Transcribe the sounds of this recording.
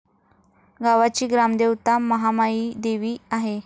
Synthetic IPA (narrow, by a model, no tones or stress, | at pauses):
ɡaʋat͡ɕiːɡɾamd̪ewt̪aməɦamaid̪eʋiːaɦe